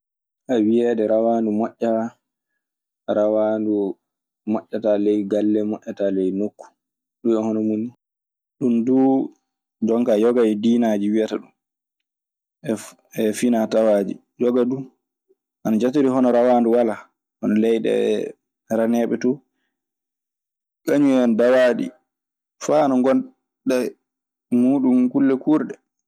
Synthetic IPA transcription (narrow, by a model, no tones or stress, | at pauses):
ʔawiɛɗɛɾawaːndumɔʔːa | ɾawandu | mɔʔːatalejɡalːɛmɔʔʲatalejnokːu̥ | ɗuɛhɔnɔmuni | ɗumdu | d͡ʒɔŋkajɔɡajdiːnad͡ʒiwijataɗum | ɛ | ɛfinatawaːd͡ʒi | d͡ʒɔɡadu | ʔanad͡ʒatuɾiɦɔnɔɾawaːnduwala | hɔnɔlɛjɗɛ̰ɛ̰ | ɾanɛɓɛtɔ | kaɲuɔndawaɗḭ | fanaŋɡɔn | ɗa | muːɗumkulːɛkuɾɗɛ